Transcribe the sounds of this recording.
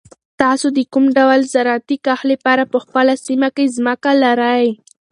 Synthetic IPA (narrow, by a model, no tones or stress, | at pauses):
t̪ɑsod̪əkumɖawalzaɾat̪ikaxlepɑɾapəxpəlasimakezməkalaɾaj